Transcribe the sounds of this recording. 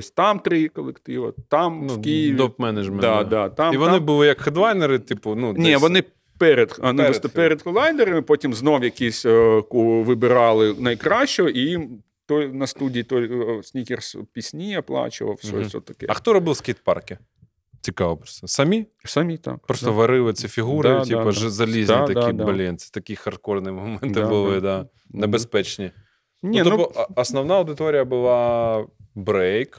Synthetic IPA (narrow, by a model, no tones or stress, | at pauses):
sʲt̪ɑmt̪ɾɪkɔlˠekt̪ɪʋɐt̪ɑmkʲijʋ̪ʲɔpmɛnɐʒmɛnɑd̪ɑt̪ɑmiʋɔnɪbulˠɪjɐkxɐd̪ʋɑjneɾɪt̪ɪpʊnunʲiʋɔnɪ | pɛɾed̪ɐnɪst̪ɐppɛɾɛd̪xɔlˠɑjnd̪eɾɐmɪpɔtʲimznɔwjɐkʲisʲkuʋɪbɪɾɑlˠɪnɐjkɾɑɕt͡ʃɔɔʔijim | t̪ɔjnɐst̪udʲijit̪ɔjsʲnʲikʲerspʲisʲnʲijɐplˠɑ̰t͡ʃɪ̰ʋɐ̰fsʲɔ̰sʲɔ̰t̪ɐkɛ̰ɐxt̪ɔɾɔbɨlˠsʲkʲejt̪̚pɑ̰rkʲɪ | t͡sʲikɑʋɐpɾost̪ɐsɐmʲisɐmʲit̪a̰kpɾost̪ɔʋɐɾɪlˠɪsʲifʲiɣuɾɪʊt̪ʲipɐʒzɐlʲizʲit̪ɐkʲibbɐlʲint͡s̪ʲɪ̥t̪ɐkʲixɐrt̪̚kornɨjmɐmɛnt̪ɪbʊlˠɪd̪a | nɛbespɛt͡ʃnʲi | nʲinɔt̪ɔɐsnɐwnaɐwd̪ɪt̪oɾʲɪjɐbɨlˠɑ | bɾɛjk